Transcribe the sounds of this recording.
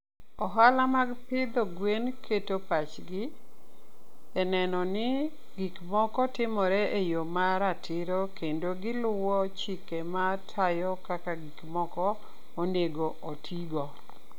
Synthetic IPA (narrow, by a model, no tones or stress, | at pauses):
ɔɦalamaɡpɪd̪ɔɡwenkʰetopat͡ʃɡɪ | ɛnɛnɔnɪ | ɡikmɔkɔtɪmɔɾɛʔejomaɾatɪɾokendoɡɪlʊwɔt͡ʃikematʰajɔkakaɡikmɔkɔ | oneɡoʔotʰiɡɔ